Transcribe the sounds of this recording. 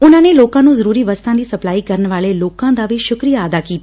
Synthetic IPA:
ʊnãːneːloːkãːnũːzəɾuːɾiːʋəst̪ʰãːd̪iːsəplaːiːkəɾənʋaːleːloːkãːd̪aːʋiːʃʊkɾijaaːd̪aːkiːt̪a

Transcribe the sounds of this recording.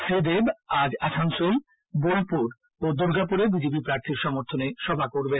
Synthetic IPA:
sed̪ebad͡ʑaʃansol | bolpuɾ | od̪oɾɡapuɾebid͡ʑebipɾaɾt̪ʰiɾʃɔmoɾt̪ʰoneʃɔbʱakoɾbe

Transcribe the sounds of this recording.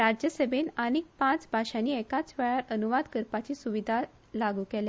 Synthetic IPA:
ɾad͡ʑjəsəbʱenaɽ̃ik̚pãt͡sbʱaɕaniːɛkat͡sʋɛɭaɾənuʋad̪kəɾpat͡ɕiːsuʋid̪ʱa | laɡuːkɛle

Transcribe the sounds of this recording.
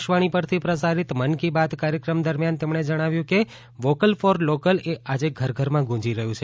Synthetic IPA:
ʃʋaɽ̃ipəɾt̪ʰipɾəsaɾit̪mənkibad̪kaɾjəkɾəmd̪əɾmjant̪emɳed͡ʒəɽ̃aʋjũke | ʋokəlfɔɾlokəlead͡ʒeɡʱəɾɡʱəɾmãɡʱũd͡ʒiɾəɦjũt͡ʃʰe

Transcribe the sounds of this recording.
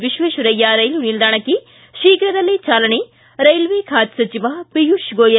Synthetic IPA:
ʋiʃʋeːʃuɾɐjːaɾɐjlunild̪aːɳɐkːi | ʃiːkɾɐd̪ɐlːit͡ʃaːlɐɳi | ɾɐjlʋikʰaːt̪sɐt͡ʃiʋapijuʃɡoːjɐ

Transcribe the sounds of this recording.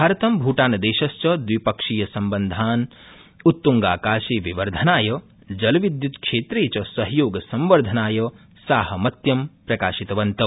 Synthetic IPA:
bʱaːɾɐt̪ɐmbʱuːʈaːnɐd̪eːʃɐst͡ʃɐd̪ʋipɐkʂijɐsɐmbɐnd̪ʱaːn | ut̪ːuŋɡaːkaːʃeːʋiʋɐɾd̪ʱɐnaːjɐ | d͡ʒɐlʋid̪jut̪kʂʃeːt̪ɾeːt͡ʃɐsɐɦjoːɡsɐmʋɐɾd̪ʱɐnaːjɐ | saːɦɐ̆mɐt̪jɐmpɾɐkaːʃit̪ɐʋɐnt̪ɐ

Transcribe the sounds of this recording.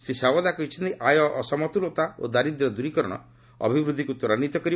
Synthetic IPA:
sesawɔd̪akɔit͡ʃʰint̪eʔajɔʔːsɔmɔt̪ulɔt̪ao̰d̪aɾid̪iɾɔd̪uɾikɔɾɔɽ̃ɔ̰ | ɔ̰bʱibɾud̪ʱikut̪ɔɾañit̪ɔkɔɾi

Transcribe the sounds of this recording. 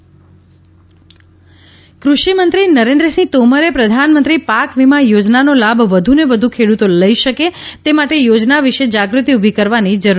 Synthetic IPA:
kɾuʃimənt̪ɾinəɾẽnd̪ɾəsĩt̪oməɾepɾəd̪ʱanmənt̪ɾipakʋimajod͡ʒnanolabʱʋəd̪ʱuneʋəd̪ʱukʰeɽut̪oləiʃəket̪emaʈejod͡ʒnaʋiʃed͡ʒaɡɾut̪iubʱikəɾʋanid͡ʒəɾ

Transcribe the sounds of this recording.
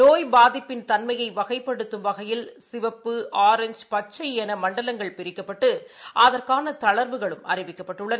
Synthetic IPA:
noːjbaːðɪpːɪnt̪ɐnmɐjɐɪʋɐɣɐɪpːɐɽɯt̪ːɯmʋɐɣɐjɪlsɪʋɐpːɯaːɾɛɲd͡ʒpɐt͡ʃːɐɪɛnɐmɐɳɖɐlɐŋɡɐɭpɪɾɪkːɐpːɐʈːɯʔɐðɐrkaːnɐt̪ɐɭɐɾbɯɣɐɭɯmɐ̰rɪʋɪkːɐpːɐʈːɯɭːɐn

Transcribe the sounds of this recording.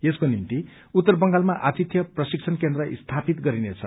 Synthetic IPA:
eskonimt̪i | ut̪ːʌrbʌŋɡalmaʔat̪it̪ʰjʌprʌsikt͡sʰʌnkend̪rʌʔḭst̪ʰapit̪ɡʌɾinet͡sʰʌ

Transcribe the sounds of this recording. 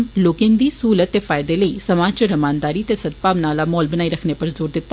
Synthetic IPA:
mloːkẽːnd̪iːsuːlət̪ːeːfʰaːɪd̪eːləiːsəmaːd͡ʒt͡ʃəɾəmaːnd̪aːɾiːt̪eːsəd̪̚paːʋnaːlaːmɔːlbənaːiːɾəkʰneːpəɾzuːɾd̪ɪt̪ːa

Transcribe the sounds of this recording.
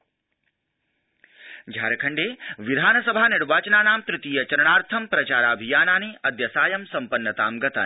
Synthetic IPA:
d͡ʒʱa̰ːɾɐkʰɐɳɖeːʋid̪ʱaːnɐsɐbʱaːniɾʋaːt͡ʃɐnaːnaːmt̪ɾɪt̪iːjɐt͡ʃɐɾɐɳaːɾt̪ʰɐmpɾɐt͡ʃaːɾaːbʱijaːnaːneːʔɐd̪jɐsaːjɐmsɐmpɐnːɐt̪a̰ːmɡɐt̪a̰ː

